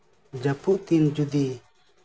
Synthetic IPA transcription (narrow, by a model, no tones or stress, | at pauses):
d͡ʒapuʔt̪ind͡ʒud̪i